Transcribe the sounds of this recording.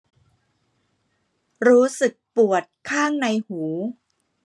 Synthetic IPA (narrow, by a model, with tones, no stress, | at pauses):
ɾuː˦˥sɯ˨˩k̚pu˨˩ət̪̚kʰaː˥˩ŋna˧jhuː˩˦